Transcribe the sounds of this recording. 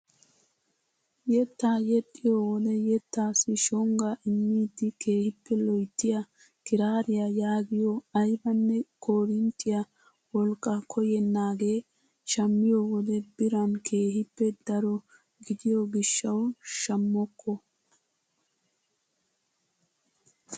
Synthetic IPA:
jɛt̪ːajɛt̪ʼːɪjoːwɔd̪ɛjɛt̪ːaːsɪʃɔŋɡɐʔɪmːiːd̪ːɪke̞ːhɪpːɛlɔjt̪ːɪjɐ | kɪɾaːɾɪjɐjaːɡɪjɔɐjbɐnːɛkʰoːɾɪnt̪ːɪjɐ | wɔlkʼːɐkʰɔjɛnːaːɡe̞ː | ʃɐmːɪjowɔd̪ɛbɪɾɐnkʰeːhɪpːɛd̪ɐɾɔ | ɡɪd̪ɪjɔɡɪʃːɐwʃɐmːɔkʰːɔ

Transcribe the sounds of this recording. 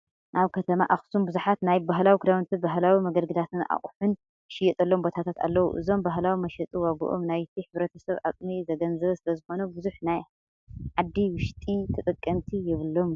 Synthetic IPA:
ʔaβkʰɐt̪ʰɐmaʔaxsumbɨzuħat̪najbaɦlawikʰɨd̪awnt̪ʰibaɦlawimɐɡɐlɡɨd̪at̪ʰɨna̰χʼħʊn | ʃɪjɛt̪ʼɐlːombo̞t̪ʰat̪ʰat̪a̰lːɐwṵʔɨ̰zo̞mbaɦlawimɐʃɐt̪ʼiwaɡṵʔomnajt̪ʰiħɨβɾɐt̪ʰɐsɐβa̰t̪ʼmizɐɡɐnzɐβɐsɨlɐzɨxo̞nɐbɨzuħnaj | ʕad̪ːiwʊʃt̪ʼit̪ʰɨt̪ʼɨkʼːɐmt̪ʰijɪβɨlːom

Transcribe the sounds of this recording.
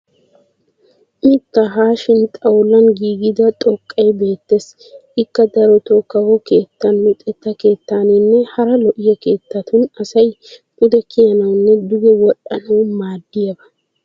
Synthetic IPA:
ʔɪt̪ːɐɦaːʃɪnt̪ʼɐwlɐnɡiːɡɪd̪ɐt̪ʼɔkʼːɐjbe̞ːt̪ːes | ʔɪkːɐd̪ɐɾɔt̪oːkːɐwɔke̞ːt̪ːɐnmʊt̪ʼɛt̪ːɐke̞ːt̪ːaːnɪnːɛhɐɾɐlɔʔɪjɛke̞ːt̪ːɐt̪ʊnɐsɐj | ʔʊd̪ɛkʰɪjɐnɐwnːɛd̪ʊɡɛwɔɗɐnɐwmaːd̪ːɪjɐbɐ

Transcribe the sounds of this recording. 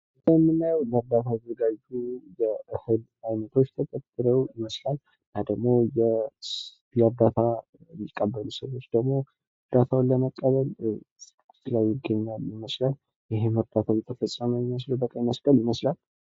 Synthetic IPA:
jəjɛmːɨnːajəwləɾd̪at̪ʰazəɡaːujɛɨhɨl | ajnət̪ʰo̞t͡ʃːt̪ʰət̪ʼət̪ʼːɨɾəwjɪməslal | nad̪əɡmo̞jɛ | jɛɾd̪at̪ʰa | mikʼːəbːəlusəwo̞t͡ʃːd̪əɡmo̞ | ɾd̪at̪ʰawlːəməkʼːəβəlʼ | ɨt̪lajjɪɡːəɲːaljɪməslal | jɪɦeməɾd̪at̪ʰawjɛt̪ʰəfəsʼəməwjɪməsləwbəkʼajɪməslʼəljɪməslal

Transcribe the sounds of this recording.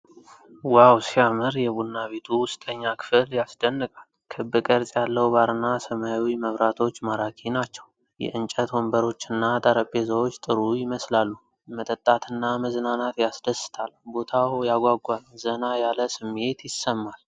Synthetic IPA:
wawsiamɨɾjɛbunːaβet̪ʰuwʊst̪ʼəɲːakʰɨ̥fɨljasd̪ənːɨkʼalkʰɨbːɨkʼəɾsʼjalːəwbaɾɨnasəmajwiməβɾat̪ʰo̞t͡ʃːmaɾakʰinat͡ʃːɛw | jɛ̰ʔɨnt͡ʃʼət̪wombəɾo̞t͡ʃːɨnːat̪ʼəɾəpʼːezəwot͡ʃːt̪ʼɨɾujɪməslalːu | mət̪ʼət̪ʼːat̪ʰɨnːaməznanat̪jasd̪əsːɨ̥t̪ʰalbo̞t̪ʰawjaɡʷaɡʷalzənajaləsɨmːe̞t̪jɪsːəmːal

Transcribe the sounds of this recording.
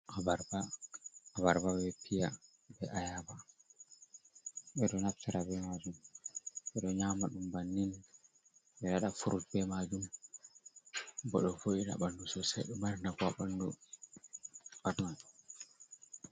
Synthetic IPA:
ʔabaɾbaː | baɾbabɛpʰija | bɛʔajaba | ɓɛɗɔnaftʰaɾabɛmad͡ʒum | ʔɛɗɔɲamaɗumbanːin | ɓɛɗaɗafuɾʔut̚bɛmad͡ʒum | bɔɗɔfoiɗa̰ɓandusɔsɛ̰ɗɔmaɾnakɔaɓandu | aɗun

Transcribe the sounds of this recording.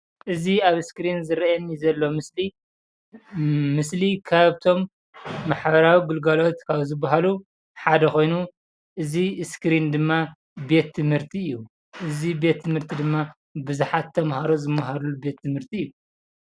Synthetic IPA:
ʔɨziaβɨskɾinzɨɾɐnizɐlːo̞mɨsli | mɨslikʰaβt̪ʰo̞mː | aħbɐɾawiɡɨlɡalo̞t̪kʰaβzɨbːaɦalu | ħad̪ɐxo̞jnu | ʔɨziskɨɾind̪ɨmːa | be̞t̪ʰːɨmhɨɾt̪ʰiɨjːu | ʔɨzibe̞t̪ʰːɨmhɨɾt̪ʰid̪ɨmːa | bɨzuħat̪ʰːɐmhaɾozɨmːaɦaɾulube̞t̪ʰːɨmhɨɾt̪ʰiɨjːu

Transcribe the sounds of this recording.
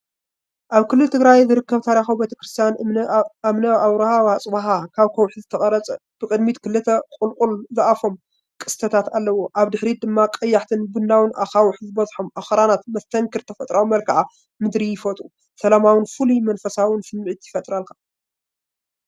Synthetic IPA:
ʔaβkɨlːɨlt̪ʰɨɡɾajzɨɾɨkːɐβt̪ʰaɾixawbet̪ʰɐ̥kɾɨst̪ʰijan | mnɐaβɾɐhawat͡sʼwaɦakʰaβkʰɐwħizɨt̪ʰɐχʼɐɾɐt͡sʼɐ | b̥ɨkʼɨd̪mit̪kʰɨlɨt̪ʰɐkʼulkʼulzɨʔafom | kʼɨst̪ʰɐt̪ʰat̪alːɐwoʔaβd̪ɨħɾid̪ɨmːakʼɐjːaħt̪ʰɨnbund̪awɨnʔaxawʊħɨzɨbɐzħomʔaxɾanat̪mɐst̪ʰɐŋkʰɨɾt̪ʰɐfɐt̪ʼɾawmɐlkʰaʕa | mɨd̪ɾijɪfɐt̪ʼu | sɐlamawɨnfɨlumɐnfɐsawɨnsɨmːɨʕit̪jɪfɐt̪ʼɾalkʰḁ

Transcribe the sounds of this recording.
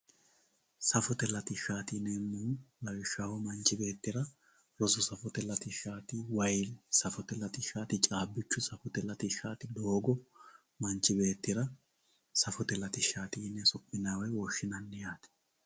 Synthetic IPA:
sɐfɔt̪ɛlɐt̪ɪʃaːt̪inɛmːulɐwɪʃahɔmɐnt͡ʃːɪbe̞ːt̪ːɪɾɐ | ɾɔsɔsɐfɔt̪ɛlɐt̪ɪʃaːt̪iwɐjlsɐfɔt̪ɛlɐt̪ɪʃaːt̪ɪt͡ʃʼaːbːɪt͡ʃːʊsɐfɔt̪ɛlɐt̪ɪʃaːt̪ɪd̪oːɡɔ | mɐnt͡ʃːɪbe̞ːt̪ːɪɾɐ | sɐfɔt̪ɛlɐt̪ɪʃaːt̪iːnːɛsɔpʼːɪnaːwɛwɔʃːɪnɐnːɛjaːt̪ɪ̥

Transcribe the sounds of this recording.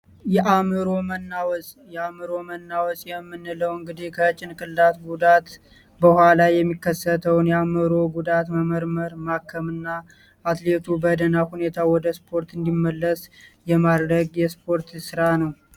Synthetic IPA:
jɛʔamɨɾo̞mənːawɔsʼjɛamɨɾo̞mənːawɔsʼjɛmːɨnːɨləwɨŋɡɨd̪ikʰət͡ʃʼːɪnkʼɨlːat̪ɡud̪at̪ | bəhʷalajɛmːikːəsːət̪ʰəwnjɛamɨɾo̞ɡud̪at̪məməɾməɾmakʰːəmɨnːaː | t̪let̪ʰubəd̪ənahune̞t̪ʰawɔd̪əspʰo̞ɾt̪ɨnd̪imːəlːəsjɛmad̪ɾəɡjɛspʰo̞ɾt̪sɨɾanəw

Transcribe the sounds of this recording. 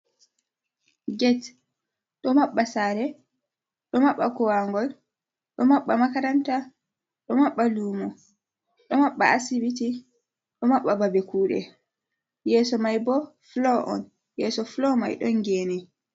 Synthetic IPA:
ɡɛt | ɗɔmaɓːasaːɾɛ | ɗɔmaɓːakɔwaŋɡɔl | ɗɔmaɓːamakaɾanta | ɗɔmaɓːaluːmɔ | ɗɔmaɓːa̰asibiti | ɗɔmaɓːababɛkuːɗɛ̰ | jɛːsɔmajbɔflɔʔɔ̰n | jɛsɔflɔma̰jɗɔnɡɛːnɛ

